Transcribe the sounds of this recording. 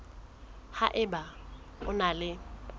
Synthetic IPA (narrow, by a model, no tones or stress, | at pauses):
ha̰ʔɪba | ʊnalɪ